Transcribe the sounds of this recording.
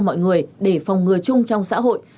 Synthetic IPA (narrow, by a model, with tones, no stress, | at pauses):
mɔ̰˧˨jŋɨ˨˩əjɗe˧˩fwŋ͡mŋɨ˨˩əjt͡ɕʊ˧ŋ͡mt͡ɕɔ˧wŋ͡msa̰ː˧˥ɦo̰˧˨j